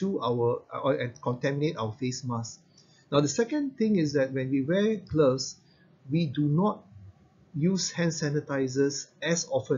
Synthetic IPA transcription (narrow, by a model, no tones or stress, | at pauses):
ʃuawəɛ̃nkɔ̃ntɛminetawəfesmas | naʊdəsɛkə̃nt̪ɪ̃ŋɪsdɛt̚wɛ̃nwiwɛkləs | widunɔt̚ | jushɛ̃nsɛ̃nətaɪzəsɛsɔfə̃